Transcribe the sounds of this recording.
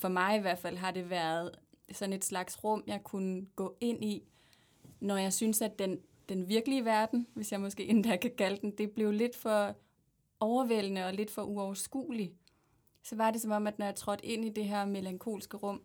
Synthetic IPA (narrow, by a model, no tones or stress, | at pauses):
fɒ̽mɑ̈ɪiʋæɐd̥fæl̰ɦɑ̈ɾ̥e̝ʋæɐð̞̩ˠsɒ̽ne̝d̥slɑ̈ɡ̥sʁɔ̽m̰jɑ̈ɪkʰunəɡ̥ɔ̰̽ːe̝n̰i | nɒjɑ̈ɪsynsæd̥en | d̥enʋiɐɡ̥əliəʋæɐd̥n̩ʋe̝sjɑ̈ɪmɒ̽sɡ̥e̝̰ːen̩d̥ækʰækʰæləd̥en̩d̥e̝b̥le̝ʊle̝d̥fɒ̽ | ɒʊɐʋel̰nəɒ̽le̝d̥fɒ̽ʔuɒʊɐsɡ̥ṵːli | sɒ̽ʋɑ̈d̥e̝sɒ̽mɒ̽m̰æd̥nɒjɑ̈t͡sʰʁɒ̽d̥e̝n̰id̥e̝ɦæɐ̰me̝læŋkʰo̝̰ːlsɡ̥əʁɔ̽m̰